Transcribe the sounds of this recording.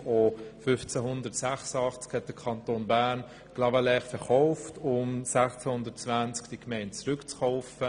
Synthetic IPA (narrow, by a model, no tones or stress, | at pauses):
ofʏft͡sɛɦʊndətsæχsəɑχt͡skhɛt̚d̥əkʰɑntoːnbæːɾn | ɡ̥lɑbəlɛχfɛɾχɔʊftʊmsæχt͡sɛhʊndətt͡svænt͡skd̥ikmɛɪntt͡sɾʏkt͡sχɔʊfə